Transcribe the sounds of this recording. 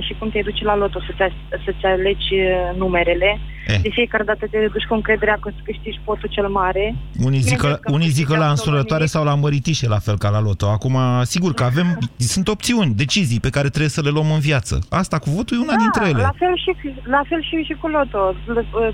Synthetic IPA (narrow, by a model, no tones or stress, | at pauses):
ʃikumt̪ejd̪ut͡ʃelalo̞t̪o̞sət̪sʲa | sət̪sʲale̞d͡ʒʲnume̞ɾe̞le̞ | ed̪e̞fije̞kaɾe̞d̪at̪ət̪eed̪ut͡ʃʲkuɨŋkɾe̞d̪e̞ɾeakost̪kɨʃt̪it͡ʃʲpo̞t̪ut͡ʃe̞lmaɾe̞unizikəunijzikəlaɨnsulət̪oaɾe̞sawlaməɾit̪iʃelafe̞lkalalo̞t̪o̞akumasiɡurkəave̞msunt̪o̞p̚t̪siunʲd̪e̞t͡ʃizijpe̞kaɾe̞t̪ɾe̞bjsəle̞luomɨnvjat̪sə̰ast̪akuvot̪ujeunad̪int̪ɾejeleafe̞lʃilafe̞lʃiʃikulot̪o̞l